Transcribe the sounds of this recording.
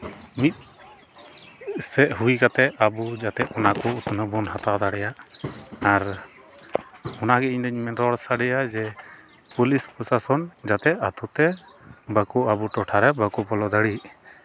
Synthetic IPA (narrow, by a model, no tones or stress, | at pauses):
mit̪̚ | sɛʔɦujkat̪ɛabud͡ʒat̪ɛʔ̪ɔnakɔut̪nəbɔnɦat̪awd̪aɽɛjaʔaɾ | ɔnaɡɛiɲd̪əɲmɛnɾɔɽsaɖɛjad͡ʒɛ | pulispɔsasɔnd͡ʒat̪ɛʔat̪ut̪ɛ | bəkɔabuʈɔʈʰaɾɛbəkɔpɔlɔd̪əɽiʔ